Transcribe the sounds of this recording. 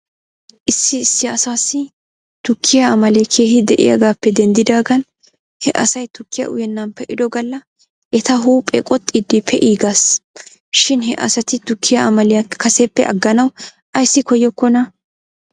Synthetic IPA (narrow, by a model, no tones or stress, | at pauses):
ʔɪsːɪːsːɪɐsaːsːɪ | t̪ʊkʰːɪjɐɐmɐlejkʰe̞ːhɪd̪ɛʔɪ̰jɐ̰ɡaːpːɛd̪ɛnd̪ɪd̪aːɡɐn | hɛʔɐ̰sɐjt̪ʊkːɪjɐ̰ʔʊ̰jɛnːɐmpːɛʔɪd̪ɔɡɐlːɐ | ʔɛt̪ɐɦuːpʼːɛ̰kʼɔt̪ʼːid̪ːɪpʰɛʔiːɡas | ʃɪnhɛʔɐ̰sɐt̪ɪt̪ʊkʰːɪjaɐmɐlɪjɐkɐsepːɛʔɐ̰ɡːɐnɐw | ʔɐjsːɪkɔjːɔkːɔnɐ